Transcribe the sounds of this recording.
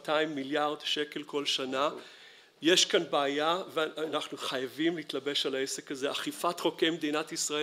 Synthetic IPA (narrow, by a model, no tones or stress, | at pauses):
taimːiljaʁdʃe̞ke̞lko̞lʃana | jeʃkanbaːjaveanaχnuχajavimliiːtlabe̞ʃalaese̞kaze̞ʔaχifatχo̞kejmed̪inatisʁae